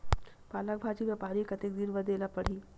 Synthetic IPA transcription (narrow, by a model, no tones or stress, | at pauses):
paːlak̚bʱaːt͡ʃiʋjɛpaːɾikɐt̪ek̚d̪iɾʋəd̪eːlapɐɽ̤iː